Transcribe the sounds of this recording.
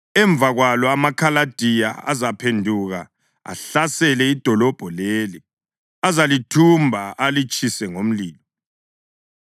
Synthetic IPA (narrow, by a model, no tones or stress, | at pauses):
ɛɱb̪vʱaɣwalɔamakʰalad̥ʱija̰a̰zapʰendʱuɣa̰ | a̰ɬasɛlɛid̥ʱɔlɔb̥ʱɔleːli | azalitʰumbʱaalit͡ʃʼʰisɛŋom̩liːlɔ